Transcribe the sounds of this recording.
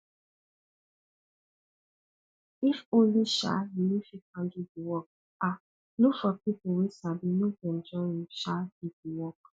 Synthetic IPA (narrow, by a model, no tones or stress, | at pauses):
ifõnliʃa̰jinifikãnɡiviwɔk̚ | a | lukfɔpipʊwesabinoɡɛ̃nd͡ʒɔĩʃaɡitiwɔk